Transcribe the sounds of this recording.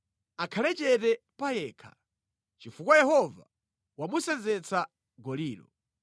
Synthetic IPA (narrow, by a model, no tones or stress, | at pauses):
akʰalɛt͡ʃɛtɛpajɛːkʰḁ | t͡ʃifukwajɛhɔva̰ | wamusɛnzɛt͡sʰa | ɡɔliːlɔ̰